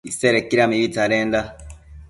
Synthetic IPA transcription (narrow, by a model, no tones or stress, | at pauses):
iseɾekiɾamiβitaɾeːnda